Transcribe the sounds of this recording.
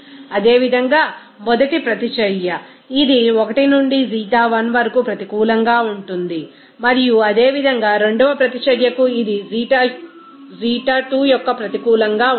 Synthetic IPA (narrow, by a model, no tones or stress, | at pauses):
ɐd̪e̞ːʋid̪ʱɐŋɡaː | mɔd̪ɐʈipɾɐt̪it͡ʃɐɾjɐ | id̪iɔkɐʈinuɳɖiziːʈaːʋɐnʋɐɾɐkupɾɐt̪ikuːlɐŋɡaːuɳʈund̪i | mɐɾijuɐd̪eːʋid̪ʱɐŋɡaːɾe̞ɳɖuʋɐpɾɐt̪it͡ʃɐɾjɐkuid̪iiʈa | ziːʈaːʈuːjɔkːɐpɾɐt̪ikuːlɐŋɡaː